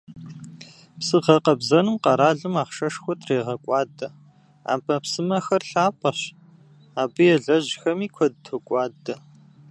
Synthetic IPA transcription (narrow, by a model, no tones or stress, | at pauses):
psɨʁɐqɐbzɐnɨmqɐɾaːɮɨmaːχʃɐʂxʷɔtʰʼreːʁɐkʷʼɑːdɐ | a̰ːpʼɐpsɨmɐxɐrɬaːpʼɐɕ | aːbɨjɛɮɐʑxɐmiːkʷʰɔd̚tʰokʷʼɑːdɐ